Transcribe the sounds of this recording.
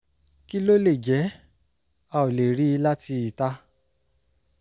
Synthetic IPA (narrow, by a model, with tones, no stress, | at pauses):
ki˦lo˦le˦˨d͡ʒɛ˨˦ | a˧o˨le˨ɾi˨˦˧la˦ti˧i˨ta˦